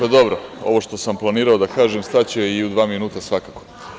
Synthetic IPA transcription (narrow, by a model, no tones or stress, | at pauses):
od̪o̞bɾoo̞ʋo̞ʃt̪o̞samplˠaniːɾaod̪akaːʒemst̪at͡ɕeiud̪ʋaːminuːt̪asʋakako